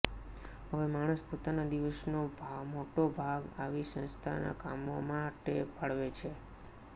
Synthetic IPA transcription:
ɦəʋemaɽ̃əspot̪anad̪iʋəsnobʱamoʈobʱaɡaʋisə̃nst̪ʰa̰na̰ka̰momãʈepʰəɭʋet͡ʃʰe

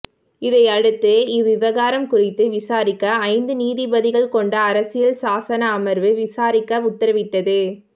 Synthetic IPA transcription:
ɪðɐɪɐɽɯt̪ːɯɪʋɪʋɐɣaːɾɐmkʊrɪt̪ːɯʋɪsaːɾɪkːɐːɪnd̪ɯniːðɪbɐðɪɣɐɭkɔɳɖɐːɾɐsɪjɐlsaːsɐnɐːmɐɾʋɯʋɪsaːɾɪkːɐʊt̪ːɐɾɐʋɪʈːɐðɯ

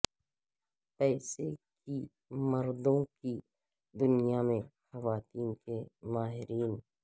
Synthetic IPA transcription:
pɛːseki | mɐɾd̪õki | d̪ʊnijamẽxɐʋaːt̪iːnkemaːɦɪɾiːn

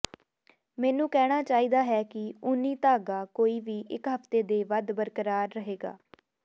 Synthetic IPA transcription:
mɛ̃ːnũːkɛːɽ̃aːt͡ʃaːiːd̪aːɦɛːkɪʊnːiːt̪aːɡaːkoːiːʋiːʔɪkɦəft̪eːd̪eːʋəd̪bəɾkəɾaːɾːəɦeːɡa̰ː

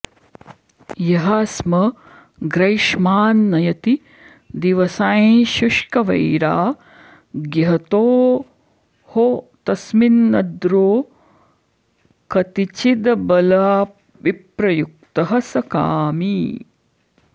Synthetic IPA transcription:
jɐɦasmɐ | ɡɾɐjʃmaːnːɐjɐt̪i | d̪iʋɐsaːjʃuʂkɐʋɐ̰jɾaː | ɡjɐɦɐt̪oː | hot̪ɐsminːɐd̪ɾoː | kɐt̪it͡ʃid̪bɐlaː | ʋipɾɐjuk̚t̪ɐɦɐsɐkaːmi

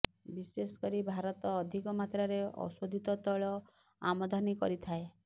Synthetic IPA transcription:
bisesɔ̥kɔɾibʱaɾɔt̪ɔːd̪ʱikɔmat̪ɾaɾeɔ̰sod̪ʱit̪ɔt̪ɔɭɔ | a̰mɔd̪ʱanikɔɾit̪ʰae

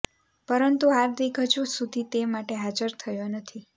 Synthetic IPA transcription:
pəɾənt̪uɦaɾd̪eɡʱəd͡ʒʰũsud̪ʱit̪emaʈeɦad͡ʒəɾt̪ʰəjonət̪ʰi

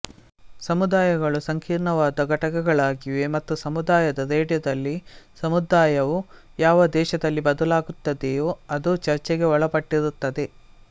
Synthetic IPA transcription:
sɐmud̪aːjɐɡɐɭusɐŋkʰiːɾɳɐʋaːd̪ɐɡɐʈɐkɛɡɐɭaːɡiʋe̞mɐt̪ːusɐmud̪aːjɐd̪ɐɾeːɖjɐd̪ɐlːisɐmud̪aːjɐʋu | jaːʋɐd̪ɛːʃɐd̪ɐlːibɐd̪ɐlaːɡut̪ːɐd̪ejoːɐd̪ut͡ʃɐɾt͡ʃɛɡe̞ɔɭɐpɐʈːiɾut̪ːɐd̪e̞

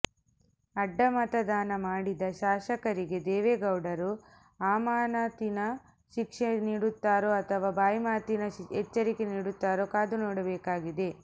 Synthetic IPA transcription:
ɐɖːɐmɐt̪ɐd̪aːnɐmaːɽid̪ɐʃaːʃɐkɐɾiɡe̞d̪ɛːʋeːɡɐwɽɐɾu | aːmaːnaːt̪inɐ | ʃikʂɐniːɽut̪ːaːɾoːɐt̪ʰɐʋaːbaːjmaːt̪inɐɛt͡ʃːɐɾikeniːɽut̪ːaːɾoːkaːd̪unoːɽɐbɛːkaːɡid̪e

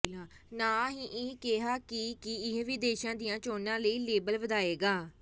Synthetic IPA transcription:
laːnaːɦiːʔɪ̃keɦaːkikɪɪɦʋiːd̪eːʃãːd̪ɪjãːt͡ʃoːnãːləiːleːbəlʋəd̪aːeːɡaː

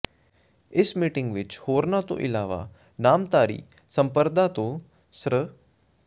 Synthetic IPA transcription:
ɪsmiːʈɪ̃ŋɡʋɪt͡ʃhoːɾnat̪o̰ʔɪlaːʋa̰ | naːmt̪aːɾḭː | səmpəɾd̪ʱat̪o | sɾə

